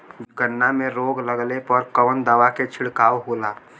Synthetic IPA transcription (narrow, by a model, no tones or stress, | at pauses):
ɡənːameɾoːɡləɡlepəɾkəʋənd̪aːʋaket͡ʃʰɪɽkaːwɦola